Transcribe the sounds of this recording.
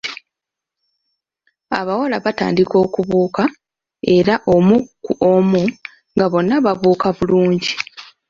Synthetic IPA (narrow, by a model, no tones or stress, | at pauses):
aβawalaβata̰ːndiko̞ːkuβuːka | e̞ɾaʔo̞mukuomu | ŋɡaβo̞nːaβavuːkaβuluːɲɟi